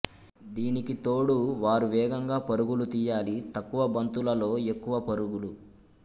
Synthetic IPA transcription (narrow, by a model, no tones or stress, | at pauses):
d̪iːnikit̪oːɽuʋaːɾuʋɛːɡɐŋɡaːpɐɾuɡulut̪iːjaːlit̪ɐkːuʋɐbɐnt̪ulɐlo̞ːe̞kːuʋɐpɐɾuɡulu